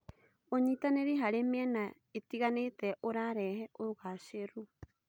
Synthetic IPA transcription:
oɲitaneɾiɦaɾemiɛna | etiɣanetɛʔoɾaɾɛhɛʔouɣaʃeɾu

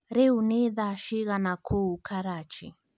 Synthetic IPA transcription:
ɾewuneðaʃiɣanakʰoukʰaɾat͡ʃi

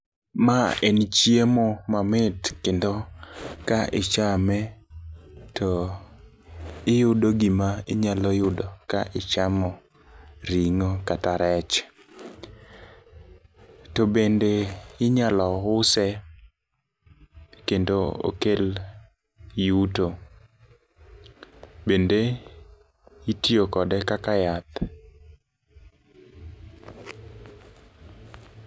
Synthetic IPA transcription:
maent͡ʃjemɔmamɪtkendokaʔɪt͡ʃamɛ | tʰo | ɪjʊdoɡimaɪɲalɔjʊdɔkaʔɪt͡ʃamɔ | ɾiŋokataɾɛt͡ʃ | tobendeɪɲalɔʊsɛ | kendoo̰kel | juto | bende | itjokɔdɛkakajat̪

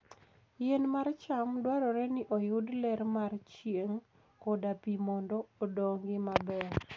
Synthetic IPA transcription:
jenmart͡ʃamdwaɾɔɾɛnɪʔojʊdlɛɾmart͡ʃjeŋ | kɔdapimɔndɔːdoŋɡɪmabɛ

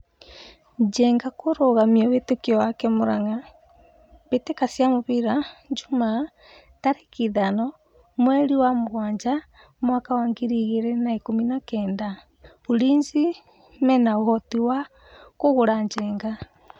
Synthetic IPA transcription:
ɲd͡ʒɛŋɡakoɾoɣamiɔβetekiɔwakɛmoɾaŋa | βetekasjamoβiɾaɲd͡ʒuma | taɾekiðanɔ | mwɛɾiwamoɣwaːɲd͡ʒa | mwakawaːŋɡiɾiɣeɾɛnaekominakɛːnda | βuɾiːɲzi | mɛnaohɔtiwa | koɣoɾaɲd͡ʒɛːŋɡa

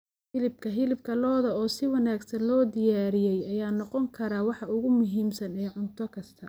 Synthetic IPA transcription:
hɪlɪb̚kʰɐɦɪlɪb̚kʰɐlɔːðɐɔːsɪwɑnaːɡsɐnlɔːd̪ɪjaːɾɪjɛjɐjaːnɔqɔŋkʰɐɾaːwɑħɑʊɣʊmʊɦiːmsɐnɛːʕʊnt̪ʰɔkʰɐst̪ʰɐ

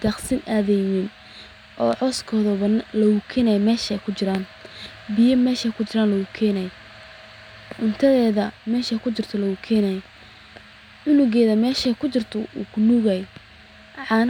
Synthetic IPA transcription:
d̪ɐχsɪnʔaːðɛnɪn | ʔɔːʕɔskʰɔːðɔβɐnlɐɣʊkʰɛːnɐjmɛːʃɛjkʰʊt͡ʃɪɾaːn | bɪjɐmɛːʃɛjkʰʊt͡ʃɪɾaːnlɐɣʊkʰɛːnɛjɛ | ʔʊnt̪ʰɐðɛːðɐmɛːʃɛkʰʊt͡ʃɪrt̪ʰɔlɐɣʊkʰɛːnaj | ʕʊnʊɣɛːðɐmɛːʃɛkʰʊt͡ʃɪrt̪ʰɔṵknuɣɐj | ʕɑːn

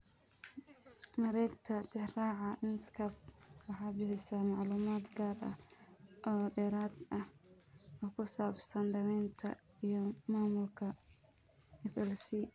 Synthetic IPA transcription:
mɐɾɛjɡt̪ʰɐt̪ʰɪraːʕɑʔɪnskʰɐb̚wɑħɑːbɪħɪsaːmɑʕluːmaːd̪ɡaːrʔɐ̰hʔɔːɖɛɾaːd̪ɐh | ɔːkʰʊsaːbsɐnd̪ɐɾɛːnt̪ʰɐ̰ | ijɔmaːmʊlkʰɐ | ɛfɛlsiː

